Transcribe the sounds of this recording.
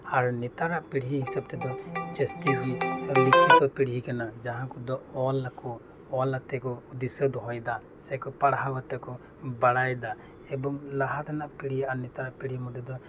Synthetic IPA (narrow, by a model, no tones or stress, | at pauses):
aɾnɛt̪aɾaʔpiɽɦiɦisab̚t̪ɛd̪ɔd͡ʒɛst̪iwilikʰit̪ɔpiɽɦikanad͡ʒaɦãkɔd̪ɔɔlːakɔ | ɔlat̪ɛkɔud̪ɛsɔd̪ɔɦɔjd̪a | sɛkɔpaɽɦabat̪ɛkɔ | baɽajd̪a | ɛbɔŋlaɦat̪ʰanaʔpiɽijaʔanɛt̪aɾaʔpiɽɦimɔd̪ɔd̪ɔ